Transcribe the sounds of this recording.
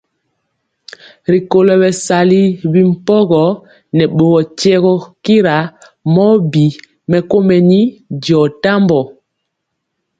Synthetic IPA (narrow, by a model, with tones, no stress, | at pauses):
ɾi˨ko˨lɔ˨βɛ˨sa˨li˦bi˦m̩˨pɔ˦ɣɔ˨ | nɛ˨ɓo˨ɣɔ˨t͡ʃɛ˦ɣɔ˦ki˦ɾa˨ | mɔ˦bi˨ | mɛ˨ko˦mɛ˨ni˦dɔ˨ta˦mbɔ˨